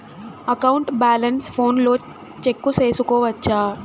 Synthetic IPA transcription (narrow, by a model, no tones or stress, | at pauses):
ɐkɐwuɳʈbaːlɐnspʰo̞ːnlo̞ː | t͡ʃekːuse̞ːsukɔːʋɐt͡ʃːaː